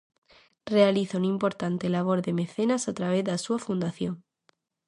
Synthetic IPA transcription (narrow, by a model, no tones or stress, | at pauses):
re̞aliθounimpo̞ɾt̪ant̪e̞laβ̞o̞ɾðe̞me̞θe̞nasat̪ɾaβ̞e̞ððasuafund̪aθjoŋ